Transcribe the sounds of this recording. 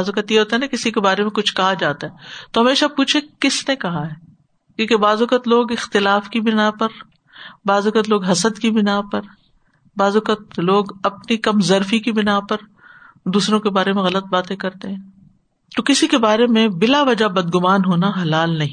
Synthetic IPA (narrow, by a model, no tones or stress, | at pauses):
zʊkət̪jeɦoːt̪aɦɛnakɪsikebaːɾemẽkʊt͡ʃʰkɐɦad͡ʒaːt̪aɦɛːt̪oɦɐmeːʃapuːt͡ʃʰekɪsnekɐɦaɦɛː | kõːkebaːzʊkət̪loːɡɪxt̪ɪlaːfkibɪnapɐɾ | baːzʊkət̪loːɡɦɐsəd̪kibɪnapɐɾ | baːzʊkət̪loːɡɐpnikɐmzɐɾfikibɪnapɐɾ | d̪uːsɾõkebaːɾemẽɣɐlət̪̚baːt̪ẽkɐɾt̪eɦɛ̃ː | t̪okɪsikebaːɾemẽbɪlaʋɐd͡ʒabɐd̪̚ɡʊmaːnɦoːnaɦɐlaːlnɐɦĩ